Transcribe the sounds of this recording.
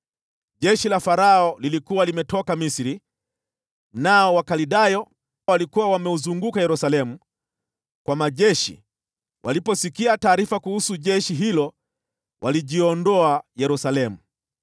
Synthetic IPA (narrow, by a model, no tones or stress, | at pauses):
ʄɛʃilafaɾaɔlilikuwalimɛtɔkamisiɾi | naɔwakaliɗajɔ | walikuwawamɛuzuŋɡukajɛɾusalɛmu | kwamaʄɛʃḭ | wʔalipɔsikiataːɾifakuhusuʄɛʃiɦilɔ | wʔaliʄiɔndɔajɛɾusalɛmu